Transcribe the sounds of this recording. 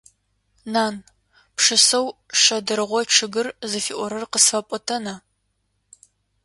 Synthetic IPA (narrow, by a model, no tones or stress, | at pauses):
naːn | pʂɨsɐwʂɐdɨɾɨʁʷɔʈ͡ʂʰɨɡɨrzɨfḭːʔʷɔɾɨrqəsfɐpʼɔtʰɐnɐ